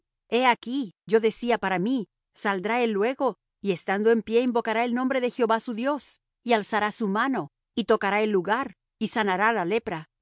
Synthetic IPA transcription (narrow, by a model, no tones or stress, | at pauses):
e̞akiʝo̞ðe̞siapaɾami | sald̪ɾae̞lːwe̞ɣo̞ | ie̞st̪and̪o̞e̞mpje̞imbo̞kaɾae̞lno̞mbɾe̞ðe̞xjo̞βasuðjo̞s | ialsaɾasumano̞ | it̪o̞kaɾae̞lːuɣaɾ | isanaɾalale̞pɾa